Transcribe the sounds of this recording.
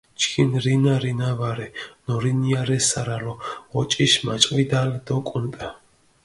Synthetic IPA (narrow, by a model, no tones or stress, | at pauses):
t͡ʃkʰinɾinaɾinavaɾɛnɔɾinijaɾɛsaɾalɔɔt͡ʃʼiʃmat͡ʃʼvid̪ald̪ɔkʼunt̪ʼa